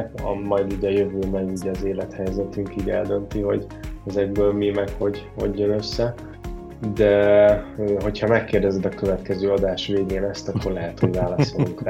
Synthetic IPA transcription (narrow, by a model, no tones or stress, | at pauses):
kɒ̰mɒjd̪iːɟɒjøvøːmɛɡiːɟɒzeːlɛt̪hɛjzɛt̪yŋkiːɟɛld̪ø̞nt̪iɦo̞̰ɟ | ɛzɛɡ̚bøːlmimɛkho̞ɟho̞̰ɟːønø̞sːɛ | d̪ɛ | øːɦo̞chɒmɛkːeːrd̪ɛzɛd̪ɒkø̞vɛt̪kɛzøːɒd̪aːʃveːɡeːnɛst̪ɒkːo̞rlɛɦɛt̪ho̞ɟvaːlɒsoluŋkra